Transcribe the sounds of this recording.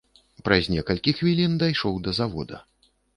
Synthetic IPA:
pɾɐzʲnʲɛkɐlʲkʲixvʲilʲind̪ajʂɔwd̪ɐzavɔ̰d̪ɐ̰

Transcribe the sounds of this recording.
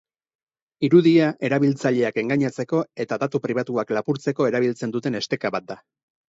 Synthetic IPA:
iɾuðiaʔe̞ɾaβilt͡saʎe̞ake̞ŋɡaɲat͡se̞ko̞e̞t̪aðat̪upɾiβ̞at̪uaklapuɾt͡se̞ko̞e̞ɾaβ̞ilt͡se̞nd̪ut̪e̞ne̞st̪e̞kaβat̪̚d̪a

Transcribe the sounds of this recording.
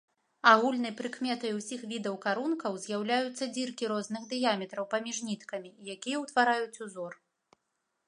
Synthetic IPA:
aɣulʲnɐjpɾɨkmʲɛt̪ɐjuwsʲixvʲid̪ɐwkaɾunkɐwzʲjawlʲajut̪sːɐd͡zʲirkʲiɾɔznɨxd̪ɨjamʲɛt̪ɾɐwpamʲiʐnʲit̪kɐmʲiːjakʲijɛwt̪vaɾajut͡sʲuzɔr

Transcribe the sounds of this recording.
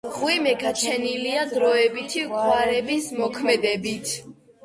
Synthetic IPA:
ʁwimɛɡat͡ʃʰɛniliad̪ɾɔɛbit̪ʰikʼwaɾɛbismɔkʰmɛd̪ɛbit̪ʰ

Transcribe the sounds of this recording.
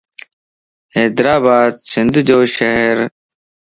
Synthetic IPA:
eːd̪ɾaːbaːd̪̚sɪnd̪d͡ʑoːʃɐɦɾ

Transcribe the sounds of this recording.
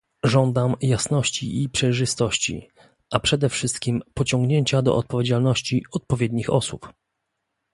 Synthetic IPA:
ʐɔnd̪amjasnɔɕt͡ɕḭʔipʂɛjʐɘst̪ɔɕt͡ɕḭ | ʔapʂɛd̪ɛfʂɘst̪kʲimpɔt͡ɕɔŋɡɲeɲt͡ɕad̪ɔ̰ʔɔt̪̚pɔvʲjed͡ʑalnɔɕt͡ɕiɔt̪̚pɔvʲjed̪̚ɲixɔ̰sup

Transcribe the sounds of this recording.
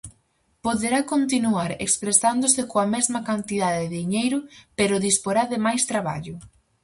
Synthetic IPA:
poðeɾakont̪inuaɾḛkspɾesand̪ʊsɪkoɐmɛzmɐkant̪iðaðɪðiɲejɾʊpeɾʊðispoɾaðɪmajst̪ɾaβa̰ʎʊ

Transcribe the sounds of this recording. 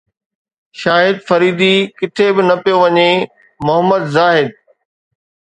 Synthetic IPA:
ʃaːɦɪd̪fɐɾiːd̪ikɪt̪ʰebɪnɐpijoʋɐɲe | mʊɦəmːəd̪zaːɦɪd̪̚

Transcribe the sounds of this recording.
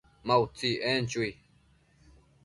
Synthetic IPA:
mawt͡siʔent͡ʃuj

